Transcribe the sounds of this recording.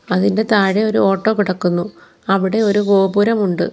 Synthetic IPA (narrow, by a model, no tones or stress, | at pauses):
ɐðinde̞t̪aːɻeo̞ɾuo̞ːʈːo̞ːkiɽɐkːunːu | ɐʋiɽe̞o̞ɾuɡoːbuɾɐmuɳɖɨ̰